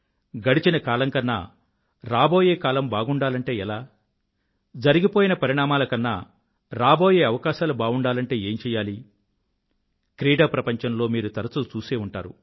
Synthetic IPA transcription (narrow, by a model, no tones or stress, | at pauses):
ɡɐɽit͡ʃinɐkaːlɐŋkɐnːa̰ː | ɾaːbo̞ːjeːkaːlɐmbaːɡuɳɖaːlɐɳʈe̞ːɛlaː | d͡ʒɐɾiɡipo̞ːjinɐpɐɾiɳaːmaːlɐkɐnːa̰ː | ɾaːbo̞ːjeːɐʋɐkaːʃaːlubaːɡuɳɖaːlɐɳʈe̞ːeːɲt͡ʃɛːjaːli | kɾiːɽaːpɾɐpɐɲt͡ʃɐnlo̞ːmiːɾut̪ɐɾɐt͡sut͡ʃuːseːuɳʈa̰ːɾṵ